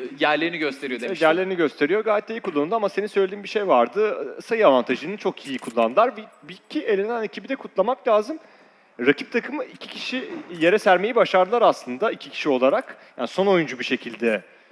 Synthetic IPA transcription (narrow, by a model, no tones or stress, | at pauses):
jæɾlʲeɾiniɟø̞st̪ʰeɾijod̪eɛjæɾlʲe̞ɾiniɟø̞st̪ʰe̞ɾijo̞ɡaːjɛt̪̚d̪ejikʰulˠːanɯnd̪uamase̞ninsø̞jlʲed̪iːnbiʃe̞jvaɾd̪ɯsajɯavant̪ʰaʒɯnɯnt͡ʃʰo̞kijikʰulˠːand̪ɯlˠaɾvɛbicʰie̞lʲenæne̞cʰibid̪ɛkʰut̪lˠamaklʲaːzɯm | ɾacʰip̚t̪ʰakʰɯmɯicʰi̥cʰiʃije̞ɾɛsæɾme̞jibaʃaɾd̪ɯlˠaɾaslˠɯnd̪aicʰi̥cʰi̥ʃio̞lˠaɾakjaːniso̞no̞jund͡ʒubiʃe̞cʰilʲd̪ɛ